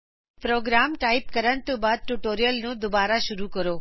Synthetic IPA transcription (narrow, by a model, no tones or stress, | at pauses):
pɾoːɡɾamkaip̚kəɾəɳt̪ubad̪̚ʈuʈoːɾijəlnõd̪ʊbaːɾaʃʊɾukəɾoː